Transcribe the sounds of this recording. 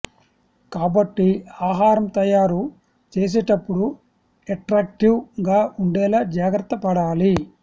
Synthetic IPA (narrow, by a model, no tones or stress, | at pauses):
kaːbɐʈːiaːɦaːɾɐmt̪ɐjaːɾu | t͡ʃeːs̬ɛːʈɐpːuɽu | eʈɾaːk̚ʈiwɡaːuɳɖɛːlaːd͡ʒaːɡɾɐt̪ːɐpɐɽaːli